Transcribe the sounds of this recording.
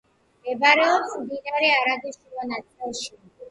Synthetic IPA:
ɛbaɾɛɔpsmd̪inaɾɛaɾaɡiʃulɔnat̪sʼɛlˠʃia

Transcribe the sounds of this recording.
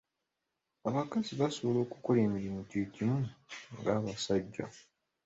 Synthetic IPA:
aβakaziβaso̞βo̞lo̞ːkuko̞le̞ːmiɾimucicimuŋɡaːβasaɟːa̰

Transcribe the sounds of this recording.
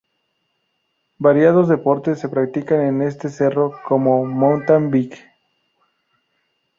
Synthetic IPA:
baɾjað̞ozðe̞po̞ɾt̪esːe̞pɾak̚t̪ikane̞ne̞st̪e̞se̞ro̞ko̞mo̞mont̪ambik

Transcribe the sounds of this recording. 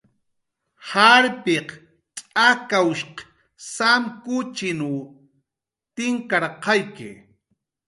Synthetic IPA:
haɾpɪq | t͡ʃʼakawʃq | samkʊt͡ʃɪnu | t̪ɪŋkaɾqɑjkɪ̰

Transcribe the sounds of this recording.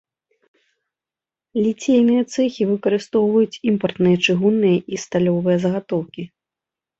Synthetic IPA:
lʲit͡sʲejnɨjɐt̪sɛxʲivɨkɐɾɨst̪ɔwvɐjut͡sʲimpɐrt̪nɨjɐt͡ʂɨɣunːɨjɐʔist̪alʲɔvɨjɐzɐɣat̪ɔwkʲi

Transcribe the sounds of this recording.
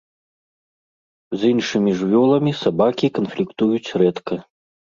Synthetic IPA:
zinʂɨmʲiʐvʲɔlˠɐmʲisabakʲikɐnflʲikt̪ujut͡sʲrɛt̪kʰɐ

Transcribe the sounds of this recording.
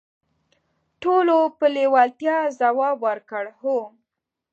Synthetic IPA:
ʈolopəlewalt̪jɑzawɑbwəɾkəɽho

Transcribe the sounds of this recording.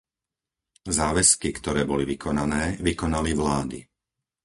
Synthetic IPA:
zaːʋɛskikt̪ɔɾɛːbɔliʋikʰɔnanɛːʋikɔnaliʋlaːd̪i

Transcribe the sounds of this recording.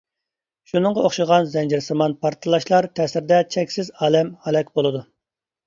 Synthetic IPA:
ʃunɨŋʁɑoχʃɨʁɑnzɛnd͡ʒɪɾsɨmɑnpʰɑɾt̪ʰɨlˠɑʃlˠɑɾt̪ʰɛsɪɾɪd̪ɛt͡ʃʰɛkʲsɪzɑːlɛmhɑlɛkʲbolˠɨd̪u

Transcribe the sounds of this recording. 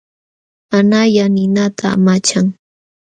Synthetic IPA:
manajanɪnat̪ʰa̰ːmat͡ʃaŋ

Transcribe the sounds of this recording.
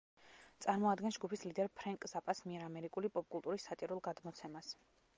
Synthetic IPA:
t̪sʼaɾmɔad̪ɡɛnsd͡ʒɡupʰislid̪ɛɾpʰɾaŋkʼzapʼasmiɛɾamɛɾikʼulipʼɔp̚ʼkʼulˠt̪ʼuɾisːat̪ʼiɾulˠɡad̪mɔt̪sʰɛmas

